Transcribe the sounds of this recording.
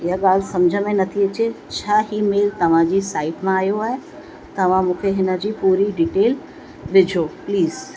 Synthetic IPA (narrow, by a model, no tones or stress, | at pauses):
ɪɦəɠaːl̤sɐmd͡ʑʱəmẽnɐt̪ʰiɐt͡ɕe | t͡ɕʰaːɦimeːlt̪ɐʋ̤ãd͡ʑiːsaːɪʈmãaːjoaːɦe | t̪ɐʋ̤ãmũːkʰeɦɪnə̆d͡ʑiːpuːɾiɖiːʈeːl | ʋɪd͡ʑʱoːpliːz